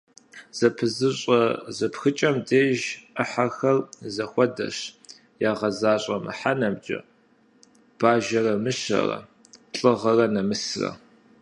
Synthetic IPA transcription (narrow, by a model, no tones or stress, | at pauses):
z̥ɐpʰɨzɨɕʼɐzɐpxɨt͡ʃʼɐmdeːʒʔɐħarxɐrzɐxʷɔdɐ̰ɕ | jaːʁɐzaːɕʼɐmɨ̰ħanɐmd͡ʒʼɐ̰ | b̥aːʒɐrɐmɨɕɐ̰rɐ̰ | ɬʼɨʁɐrɐnɐmɨsrɐ̰